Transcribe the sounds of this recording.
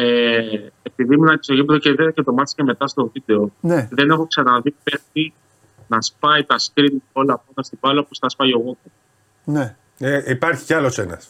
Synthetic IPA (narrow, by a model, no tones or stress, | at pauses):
eepiðimunɐnisoʝimeðoceðecet̪o̞mɐssi̥ceme̞t̪ɐst̪ovid̪e̞oneðe̞nexo̞ksɐnɐðipeɾt̪i | nɐspɐit̪ɐskɾinolɐponɐst̪ipɐloposθɐspɐjo̞ɣot̪o | ne | eipɐɾçi̥cealo̞senɐ̰s